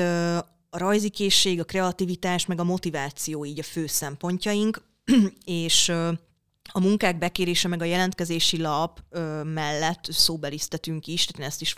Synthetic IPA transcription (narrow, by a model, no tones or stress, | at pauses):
ɒɾɒjzikeːʃːeːɡɒkrɛɒt̪ivit̪aːʃmɛɡɒmo̞t̪ivaːt̪sijoːiːɟɒføːsɛmpo̞ɲcɒjiŋk | eːʃø | ɒmuŋkaːɡ̚bɛkeːɾeːʃɛmɛɡɒjɛlɛnt̪̚kɛzeːʃilɒpømɛlːɛt̪ːsoːbɛlist̪ɛt̪yŋkiʃt̪aːt̪eːnɛst̪iʃ